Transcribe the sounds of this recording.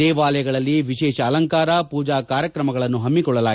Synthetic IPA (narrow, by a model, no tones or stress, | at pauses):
ɛːʋaːlɐjɐɡɐɭɐlːiʋiʃɛːʃɐːlɐŋkaːɾɐpuːd͡ʒaːkaːɾjɐkɾɐmɐɡɐɭɐnːuɦɐmːikɔɭːɐlaː